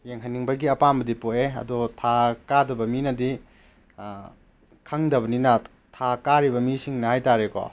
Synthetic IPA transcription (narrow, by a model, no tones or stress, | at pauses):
jeŋɦɐniŋbɐɡiɐpambɐdipoʔeɐ̰dotʰakadɐbɐminɐdi | kʰɐŋdɐbɐninɐ | tʰakaɾibɐmisiŋnɐhajtaɾekɔ̰